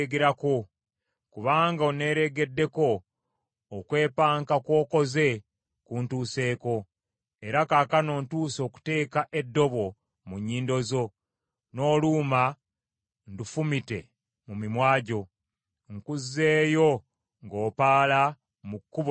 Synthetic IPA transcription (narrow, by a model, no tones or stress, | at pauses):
ɡeɾako̞ | kuβaːŋɡaone̞ːɾe̞ɡe̞dːe̞ko̞ː | kwe̞ːpaːŋkakwo̞ːko̞ze̞ | kuːntuːse̞ːko̞ | e̞ɾakaːkano̞ːntuːso̞ːku̥te̞ːkaʔe̞dːo̞βo̞ | muɲːiːndo̞zo̞ | no̞ːluːma | ndufumite̞ | mumimwaːɟo̞ | ŋkuzːe̞ːjo̞ | ŋɡo̞ːpaːla | mukːuβo